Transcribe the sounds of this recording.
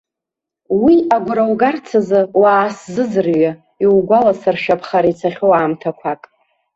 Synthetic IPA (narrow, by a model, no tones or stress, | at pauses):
wiaɡʷʊɾawɡart͡sʰazɨwaːszɨzɨrɥa | iwɡʷalasarʃapʰχaɾajt͡sʰaχʲowaːmtʰakʷʰakʼ